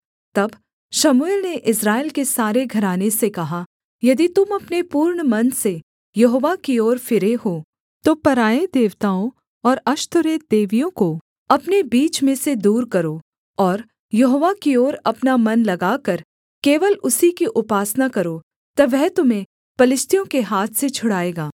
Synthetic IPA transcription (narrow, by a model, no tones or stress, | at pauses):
t̪ɐb | ʃɐmueːlneʔɪsɾaːɪlkesaːɾeɡʱɐɾaːnesekɐɦa | jɐd̪it̪ʊmɐpnepuːɾɳmɐnse | jɐɦoːʋakioːɾfɪɾeho | t̪opɐɾaːed̪eːʋt̪aːõ | ɔːɾɐʃt̪ʊɾeːd̪eːʋijõko | ɐpnebiːt͡ʃmẽsed̪uːɾkɐɾoː | ɔːɾ | jɐɦoːʋakioːɾɐpnamɐnlɐɡaːkɐɾ | keːʋəlʊsikiʔʊpaːsnakɐɾo | t̪ɐʋɛɦt̪ʊm̤ẽ | pɐlɪst̪ʰijõkeɦaːt̪ʰset͡ʃʰʊɽaːeːɡaː